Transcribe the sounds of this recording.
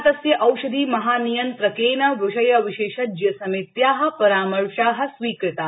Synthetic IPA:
t̪ɐsjɐʔɐwʃɐd̪ʱiːmɐɦaːnijɐnt̪ɾɐkeːnɐʋuʃɐjɐʋiʃeːʃɐd͡ʒjɐsɐmit̪jaːɦɐ̆pɐɾaːmɐɾʃaːɦɐ̆sʋiːkɾɨt̪aː

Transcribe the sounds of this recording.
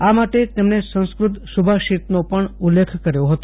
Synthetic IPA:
amaʈet̪emnesə̃ñskɾʊt̪ʃubʱaʃit̪nopəɳulːekʰkəɾjoɦət̪o

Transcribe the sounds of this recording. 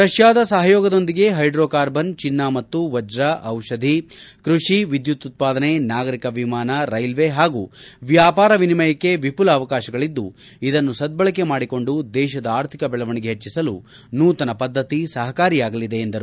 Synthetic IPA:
pɾɐʃjaːd̪ɐsɐɦɐjoːɡɐd̪o̞nd̪iɡe̞ɦɐjɖɾoːkaːɾbɐnt͡ʃinːamɐt̪ːuʋɐd͡ʒɾɐʔɐwʃɐd̪ʱikɾuʂiʋid̪jut̪ːut̪̚paːd̪ɐne̞naːɡɐɾikɐʋimaːnɐɾɐjlʋe̞ɦaːɡuːʋjaːpaːɾɐʋinimɐjɐkːe̞ʋipulɐːʋɐkaːʃɐɡɐɭid̪ːṵ | id̪ɐnːusɐd̪̚bɐɭɐke̞maːɽiko̞ɳɖud̪ɛːʃɐd̪ɐaːɾt̪ʰikɐbɛɭɐʋɐɳiɡe̞ɦet͡ʃːisɐlu | nuːt̪ɐnɐpɐd̪ʱːɐt̪isɐɦɐkaːɾijaːɡɐlid̪e̞ːnd̪ɐɾu

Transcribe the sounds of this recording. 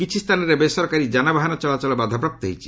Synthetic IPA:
kit͡ʃʰist̪ʰanɔɾebesɔɾkaɾid͡ʒanabaɦanɔt͡ʃɔlat͡ʃɔlɔbad̪ʱapɾap̚t̪ɔɦḛjʰi̥

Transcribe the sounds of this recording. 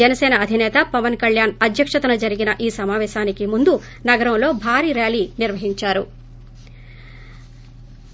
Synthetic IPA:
ɛnɐsɛːnɐːd̪ʱinɛːt̪ɐpɐʋɐnkɐɭjaːnɐd̪ʱjɐkʂɐt̪ɐnɐd͡ʒɐɾiɡinɐʔiːsɐmaːʋɛːʃaːnikimund̪u | nɐɡɐɾɐmlo̞ːbʱaːɾiːɾjaːliːniɾʋɐɦiɲt͡ʃaːɾu

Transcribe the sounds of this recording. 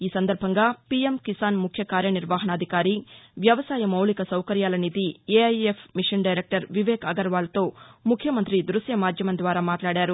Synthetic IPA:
iːsɐnd̪ɐɾbʱɐŋɡaːpiemkisaːnmukʰjɐkaːɾjɐniɾʋaːɦɐnɐːd̪ʱikaːɾiʋjɐʋɐsaːjɐmɐwlikɐsɐwkɐɾjaːlɐnid̪ieɐjepʰmiʂɐɳɖɐjɾeːk̚ʈɐɾʋiʋɛːkɐɡɐɾʋaːlɐt̪o̞ːmukʰːjɐmɐnt̪ɾid̪ɾusjɐmaːd̪ʱjɐmɐnd̪ʋaːɾaːmaːʈlaːɽaːɾu

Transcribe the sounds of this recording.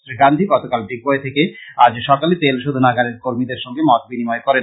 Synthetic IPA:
ɾiɡand̪ʱiɡɔt̪okalbiɡ̚bɔet̪ʰekead͡ʑʃɔkalit̪elʃod̪ʱunaɡaɾeɾkoɾmid̪eɾʃɔŋɡemɔt̪̚binimɔekɔɾe

